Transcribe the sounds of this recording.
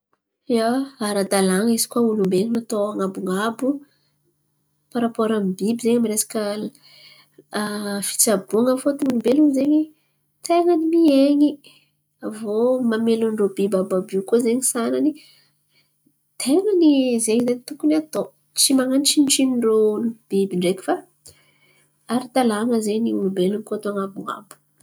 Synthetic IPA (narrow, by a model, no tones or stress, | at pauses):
jaaɾad̪alaŋizi̥kwaulumbeɲinat̪oaŋabuŋabu | paɾapoɾambibizeɲmiɾesḁkə | fi̥t͡sabuŋəfot̪uŋunumbelunzeɲi | t̪eŋənimieɲi | avomamelunɳɖ͡ʐobibababukozeɲisanani | t̪ʰeŋənizeɲizenit̪ukunat̪o | t͡simaŋant͡ʃinʈ͡ʂinɳɖ͡ʐonib̥ibiɳɖ͡ʐekʲi̥fa | aɾit̪alaŋəzeniunubeluŋikot̪aŋabua̰bu̥